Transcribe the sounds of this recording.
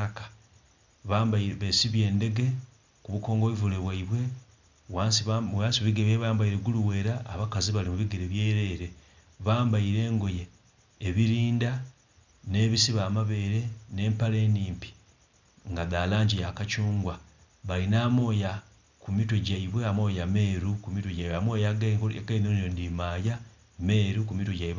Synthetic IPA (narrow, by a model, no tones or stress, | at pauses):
kḁ | βambβesiβje̞ːnde̞ɡe̞ | kuβuko̞ːŋɡo̞βivuleβwaiβwe̞ | wasansiβiɡeβeβaːmbaiɾe̞ɡuluwe̞ːɾaʔːβakaziβalimuβiɡeɾeβjeːɾe̞ɾe̞ | βaːmbaiɾe̞ːŋɡoje̞ː | βiɾiːnda | ne̞ːβisiβaːmaβe̞ːɾe̞ne̞ːmpale̞ːniːmpi̥ | ŋɡaðaːlaːɲɟijakat͡ʃuːŋɡwa | βalinaːmo̞ːja | kumitoɟaiβwe̞amo̞ːjame̞ːɾukumitoɟaiβweamoːjaɡekainonondimaːja | me̞ːɾukumitoɟaiβwe